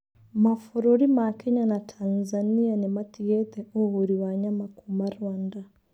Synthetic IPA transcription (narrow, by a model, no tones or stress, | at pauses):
mafoɾoɾimakɛɲanatʰanzanianɛmatiɣɛt̪ɛʔohoɾiwaɲamakumaɾwanda